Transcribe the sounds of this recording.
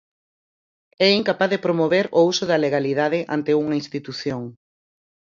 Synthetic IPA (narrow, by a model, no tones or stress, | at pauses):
ɛiŋkapaðepɾomoβeɾousʊðɐleɣ̞aliðaðɪʔa̰nt̪euŋɐinst̪it̪uθjoŋ